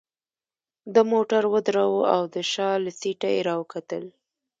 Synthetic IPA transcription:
d̪əmoʈaɾwəd̪ɾawəa̰wd̪əʃɑlasiʈajeɾɑwəkat̪əl

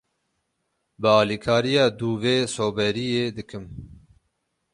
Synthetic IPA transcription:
bɨɑːlikʰɑːɾijɑːd̪uːveːsoːbɛɾijeːd̪ɨkʰɨm

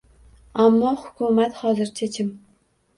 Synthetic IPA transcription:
amːɒhʊ̥kʰʊmat̪hɒzɪɾt͡ʃʰat͡ʃʰɪm

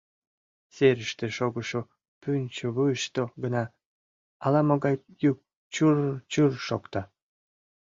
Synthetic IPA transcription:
seɾəʃt̪eʃoɡəʃo | pynʲt͡ɕoβɯəʃt̪oɡənɑ | ɑlɑmoɡɑj | juk̚ | t͡ɕurt͡ɕyrʃokt̪ɑ

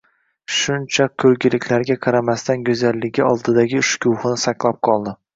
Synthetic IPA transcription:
ʃʊnt͡ʃʰakʲʰːɵɾɡʲɪlɪkʲʰlaɾɡʲaqʰɑɾamast̪anɡɵzalːɪɡʲɪɒlˠd̪ɪd̪aɡʲɪʊʃkʲuwχɨnɪsaqlˠap̚qʰɒlˠd̪ɪ

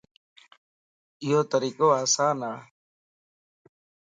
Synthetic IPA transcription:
ɪjoːt̪əɾiːkoːaːsaːnaː

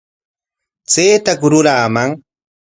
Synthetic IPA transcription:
t͡seːt̪akʊɾʊɾaːmaŋ

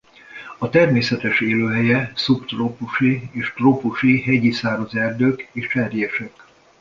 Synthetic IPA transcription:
ɒt̪ɛrmeːsɛt̪ɛʃeːløːɦɛjɛsupt̪ropuʃieːʃt̪ropuʃiɦɛɟisaːɾɒzɛrd̪øːkeːʃt͡ʃɛɾijɛʃɛk

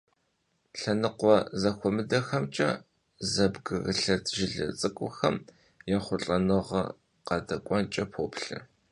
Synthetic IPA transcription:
ɬɐnɨqʷɔzɐxʷɔmɨdɐxɐmt͡ʃʼɐ̰ | zɐbɡɨɣɨɬɐtʰʒɪɮɐ̰t͡sʼɨkʷʼʊxɐ̰m | jaχʷʊɬʼɐnɨʁɐ̰ | qɐdɐkʷʼɔnt͡ʃʼɐpʰoːpɬɨ̰

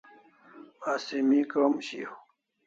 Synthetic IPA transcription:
asimikomɕḭh

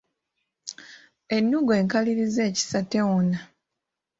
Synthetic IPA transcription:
e̞nːuɡe̞ːŋkaliɾize̞ːci̥sateona

